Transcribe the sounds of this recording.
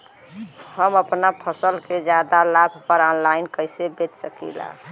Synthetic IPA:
həməpnapʰəsəlked͡ʒjad̪alabʱpəɾɔnlaɪnkəɪsebet͡ʃsəkḭla̰

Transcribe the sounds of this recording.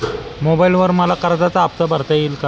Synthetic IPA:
mobajilʋəɾməlakəɾd͡z̪at͡saːp̚t̪əbəɾt̪ajilka

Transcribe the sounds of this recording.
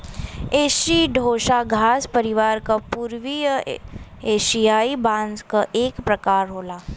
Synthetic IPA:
eːʃiɖʱoːʃaɡʱaːspəɾiʋaːɾkapuːɾʋijə | eːʃijaːibãnzkaʔeːkpɾɐkaːɾɦoːlaː

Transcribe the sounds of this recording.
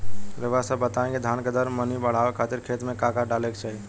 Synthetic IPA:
ɾeʋasəbət̪aẽɡed̪ʱaːnked̪əɾmənibəɽ̤aʋekʰat̪ɪɾkʰeːt̪mẽkaːkaɖaːlekt͡ʃʰɛi

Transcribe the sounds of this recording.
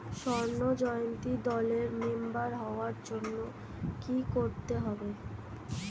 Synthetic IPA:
ʃɔɾnod͡ʑɔjont̪id̪ɔleɾmembaɾɦɔoaɾd͡ʑonːo | kikoɾt̪eɦɔbe

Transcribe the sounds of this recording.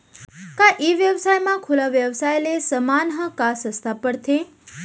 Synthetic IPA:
kaʔeʋjəʋsajmãkʰulaʋjəʋsajlesəmanɦəkasə̃st̪ʰapəɽt̪ʰe

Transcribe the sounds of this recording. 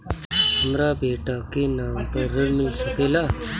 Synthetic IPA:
ɦəmɾabeːʈakenaːmpəɾːɐɾmɪlsɐkeːlaː

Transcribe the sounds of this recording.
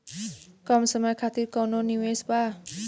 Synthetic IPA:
kɔmsəmakʰat̪ikɔnoniwesba

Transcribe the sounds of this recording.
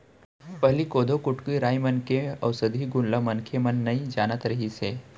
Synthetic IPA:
pəɦlikod̪ʱokuʈkiɾajmənkeəʋsəd̪ʱiɡunləmənkʰemənːəid͡ʒanət̪ɾəɦise

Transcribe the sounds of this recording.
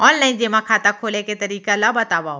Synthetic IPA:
ɔːnnɐĩd͡ʒeːmãkʰaːt̪akʰoːleket̪ɐɾiːkalabɐt̪aːʋa

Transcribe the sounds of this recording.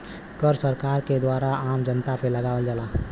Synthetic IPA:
kəɾsəɾkaːɾked̪waːɾaaːmd͡ʒənt̪apʰeləɡaːwəld͡ʒalaː

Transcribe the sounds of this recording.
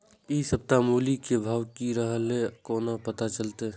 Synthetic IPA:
isəp̚t̪amuːlikebʱaːʋkiɾəɦəlekoːnapət̪at͡ʃəlt̪e

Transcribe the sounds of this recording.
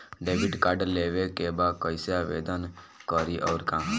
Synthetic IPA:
ɖeʋiɖkaɖleʋekebakəjseaʋḛd̪ən | kɔɾiʔɔːɾkã

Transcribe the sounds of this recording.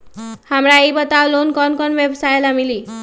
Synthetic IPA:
hamraejbʌt̪awlonkʌnkʌnbjebʌsaelamili

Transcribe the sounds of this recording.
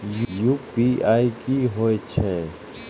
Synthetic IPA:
jjupiaːikiɦoet͡ʃʰɛː

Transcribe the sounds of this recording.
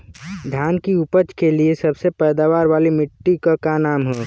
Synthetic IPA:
d̪ʱjaːnkiʊpət͡ʃkeliesɐbsepɛːd̪aːʋaːɾʋaːlimɪʈːikakanaːmɦɛː

